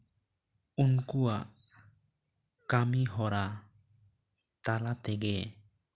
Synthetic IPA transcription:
unkuaʔ | kamiɦɔɾa | t̪alat̪ɛɡɛ

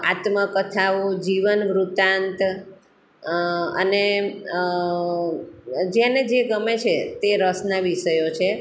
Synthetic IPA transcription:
at̪məkət̪ʰaʋod͡ʒiʋənʋɾut̪ant̪ | ə̰ne | d͡ʒjaned͡ʒeɡəmet͡ʃʰet̪eɾəsnaʋiʃəjot͡ʃʰe

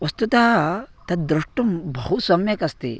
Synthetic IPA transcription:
ʋɐst̪ut̪aɦɐt̪ɐt̪̚d̪ɾuʂʈumbɐɦusʋɐmjɐkɐst̪ḭ

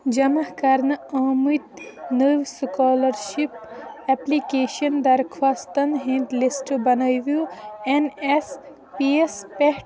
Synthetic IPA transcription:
d͡ʒɐmɐhkɐɾnɨɐːmut̪nɨʋskɔːlɐɾʃipeplikeːʃɐnd̪ɐɾkʰʋaːst̪ɐnɦẽɳʈlisʈɨbɐnɐjʋjuenes | piespeʈ

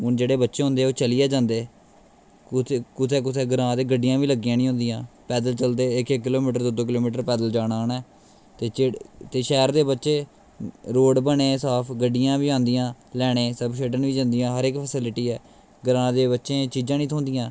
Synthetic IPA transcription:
ʊnd͡ʒeːɽeːbətːʃeːɦʊ̃ːnd̪eːoːt͡ʃəlɪjaːd͡ʒãːnd̪eː | kʊt̪ʰeːk̬ʊt̪ʰeːɡɾãːd̪eːɡəɖːɪjãːʋiːləɡːɪjãːnĩːɦõːnd̪ɪjãːpɛːd̪əlt͡ʃəld̪eːɪkekːɪloːmiːʈəɾd̪oːd̪oːkɪloːmiːʈəɾpɛːd̪əld͡ʒaːnaːnɛː | t̪eːet̪eːʃɛːɾd̪eːbətːʃeː | ɾoːɖbəɳeːsaːpʰɡəɖːɪjãːʋiːãːnd̪ɪjãːlɛːɽ̃eːsəbʃeːɖənʋiːd͡ʒãnd̪ɪjãːɦəɾekpʰəsɪlɪʈiːɛː | ɡəɾãːd̪eːbətːʃẽːt͡ʃiːd͡ʒãːnĩːt̪ʰõːnd̪ɪjãː

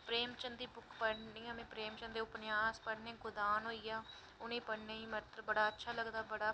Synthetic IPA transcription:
pɾeːmt͡ʃənd̪iːbʊkʰpəɽnĩːəmẽːpɾeːmt͡ʃənd̪eːʊpnjaːspəɽnẽːɡʊd̪aːnɦoːiːjaː | ʊnẽːpəɽneːĩːməɾt̪ɾəbəɽaːətːʃʰaːləɡd̪aːbəɽaː

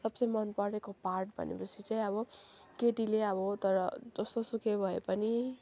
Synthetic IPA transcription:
sʌbt͡sʌjmʌnpʌɾekoparʈ̚bʱʌ̰nʔḛput͡sʰit͡saĩʌbʌ | keʈileʌbʌt̪ʌɾʌd͡zʌst̪osukʰebʱʌepʌni

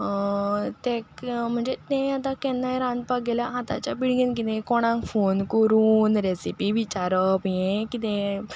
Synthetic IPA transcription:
t̪ẽkm̤əɳd͡zet̪ẽat̪ãkɛnːajɾãnd̪̚paɡelaɦat̪a̰t͡ɕjabiɭɡink̬it̪ɛ̃kɔɽ̃ãŋkfonkəɾuːnɾesipiʋit͡ɕaɾəpjẽkit̪ɛ̃

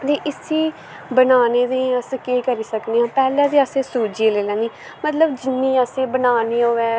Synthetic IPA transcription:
d̪eːʔɪsiː | bənaːneːd̪iːəskeːkəɾiːsəkneːãːpɛːlɛ̃ːd̪iːəsẽːsuːd͡ʒeːleːlɛ̃ːniː | mət̪ləbd͡ʒɪnːiːəsẽːbənaːniːoːɛː

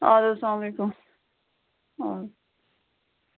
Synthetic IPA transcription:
a̰loɐslaːmlekʊm | a

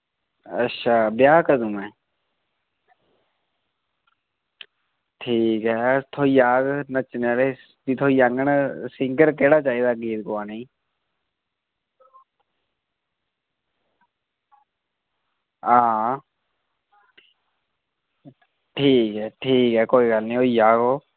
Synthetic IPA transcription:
ə̰tːʃʰaːbjaːkəd̪umɛ̃ː | ʈʰiːkɦɛːt̪ʰoːiːaːɡnət͡ʃnaleː | bit̪ʰoːiːaŋɡəɳsɪ̃ŋɡəɾkeːɽaːt͡ʃaːiːd̪aːɡiːt̪koaːneː | aː | ʈʰiːkɦɛːʈʰiːkɦɛːkoːiːɡəlnĩːoːiːjaːɡoː

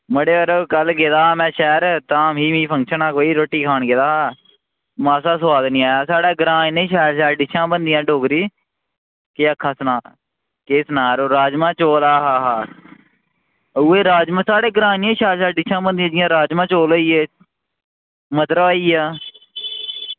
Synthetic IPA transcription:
məɽeːəɾoːkəlɡeːd̪aːmɛ̃ːʃɛːɾt̪ãːmɦiːmĩːpʰə̃ŋkʃənãːkoːiːɾoːʈːiːkʰaːnɡeːd̪aː | maːsaːswaːd̪nĩːaːjaːsaːɽaːɡɾaːnẽːʃaːlʃaːɖɪʃʰãːbənd̪ɪjãːɖoːkɾiː | keːəkʰːãːsnaː | keːsnaːɾoːɾaːd͡ʒmãːt͡ʃoːlaːɦaːɦaː | ʊeːɾaːd͡ʒmãsaːɽeːɡɾãːnẽːʃaːlʃaːɖɪʃʰãːbənd̪ɪjãːd͡ʒɪjãːɾaːd͡ʒmãːt͡ʃoːləiːeː | mət̪ɾəʋaːiːaː

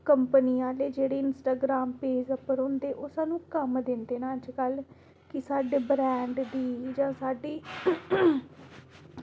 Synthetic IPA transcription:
kəmpəniːaːleːd͡ʒeːɽeːɪnsʈaːɡɾaːmpeːzəpəɾɦʊ̃nd̪eːʔoːsaːnũːkəmd̪ɪnd̪eːnaːəd͡ʒkəl | kɪsaːɖeːbɾɛ̃ːɳɖd̪iːd͡ʒãːsaːɖiː

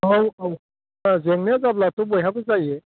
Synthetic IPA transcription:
awaw | azeŋnezablatɔbɔjɦabɯzaje

